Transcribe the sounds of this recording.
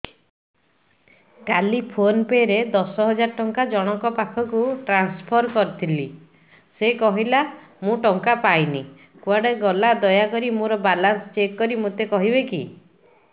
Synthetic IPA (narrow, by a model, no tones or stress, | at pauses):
kalipʰonpeɾed̪ɔsɔɦɔd͡ʒaɾɔʈɔŋkad͡ʒɔɽ̃ɔkɔpakʰɔkuʈɾanspʰɔɾkɔɾit̪ʰili | sekɔɦila | mũʈɔŋkapajni | kuaɽeɡɔlad̪ɔjakɔɾimũɾɔbalanst͡ʃekːɔɾimut̪ekɔɦibeki